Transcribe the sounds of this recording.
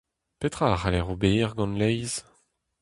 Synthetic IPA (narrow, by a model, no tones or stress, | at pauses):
pet̪χaːʁalɛʁobeːʁɡɑ̃nlɛjz